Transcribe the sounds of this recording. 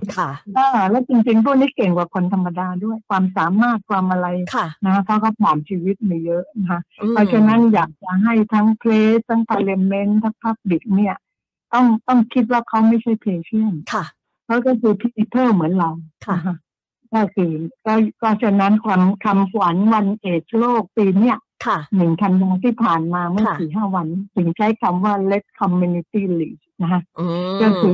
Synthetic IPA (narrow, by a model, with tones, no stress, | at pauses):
ʔaː˧˩lɛː˦˥wt͡ɕi˧ŋt͡ɕi˧ŋt̪ʰuː˥˩niː˦˥ke˨˩ŋkwaː˨˩kʰo˧nt̪ʰa˧mːa˧daː˧du˥˩əjkʰwaː˧msaː˨˩˦maː˥˩t̪̚kʰwaː˧mʔa˧ɾa˧jkʰna˧ka˦˥pʰɔ˦˥kʰɔ˦˥˩wpʰlaː˨˩nt͡ɕʰiː˧wi˦˥t̪̚miː˧˩jɤ˦˥ʔna˦˧kʰa˦˥pʰɾɔ˦˥t͡ɕʰa˧na˦˥njaː˨˩k̚t͡ɕa˨˩ɦa˥˩jt̪ʰa˦˥ŋpʰleː˦˥t̪ʰːa˦˥ŋpʰaː˧le˧me˧˥nt̪ʰa˦˥ŋpʰa˦˥˩k̚di˨˩k̚ni˥˩ɐ | t̪ɔ˥˩ŋt̪ɔ˥˩ŋkʰi˦˥t̪̚waː˥˩kʰa˦˥wma˥˩jt͡ɕʰa˥˩jpʰleː˧t͡ɕʰi˥˩ənkʰ | kʰa˦˥wkɔː˥˩kʰɯː˧pʰi˧˥ʔi˧pʰɤː˥˩mɯ˩˦ənla˧wʰa˧˦˥kʰa˦˥ʔ | kɔː˥˩kʰɯː˧kɔː˥˩kɔː˥˩t͡ɕʰa˧na˦˥nkʰa˧mkʰa˧mkʰwa˩˦nwa˧nʔeː˨˩t͡ɕʰloː˥˩k̚piː˧ni˥˩ɐ | kʰa˩nɯ˨˩ŋt̪ʰa˧nwa˧nt̪ʰiː˥˩pʰaː˨˩nmaː˧ma˥˩əiː˨˩ɦaː˥˩wa˧nt̪ʰɯ˩˦ŋt͡ɕʰa˦˥jkʰa˧mwaː˥˩le˦˥t̪̚kʰɔ˧mːu˧ni˧t̪iː˥˩liː˨˩ | na˦˥kʰa˦˥ʔkɔː˥˩kʰɯː˧